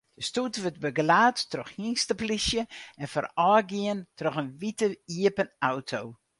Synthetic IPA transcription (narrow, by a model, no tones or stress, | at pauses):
d̥əstutʋət̚bəɡlaːtːroxhinstəplisjəɛnfə̰rɔːɡiəntroxənʋitəiəpənawtʰoː